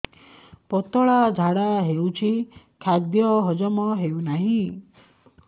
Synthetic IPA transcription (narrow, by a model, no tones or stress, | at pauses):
pɔt̪ɔɭad͡ʒʱaɽaɦewt͡ʃʰi | kʰad̪jɔɦɔd͡ʒɔmɔɦewnaɦĩ